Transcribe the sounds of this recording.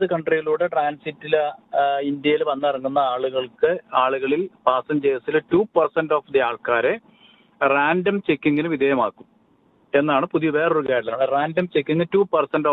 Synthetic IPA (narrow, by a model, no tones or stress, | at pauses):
ðɨkɐɳɖrijiɭuːɽeʈraːnsitːil | ind̪jɐjilʋɐnːɐrɐŋːunːɐaːɭuɣɐɭkɨaːɭuɣɐɭilpaːsɐmd͡ʑeːsilɨtuːpɐrsɐnɖo̞ːfd̪iaːɭkaːɾe̞ | raːndɐmt͡ɕekʲːiŋɡinɨʋid̪ejɐmaːkːum | e̞nːaːɳɨpuðiʋe̞ːroɾukaːɽɐlɐaːɳɨraːndɐmt͡ɕekʲːiŋːɡɨtuːpɐrsɐndoː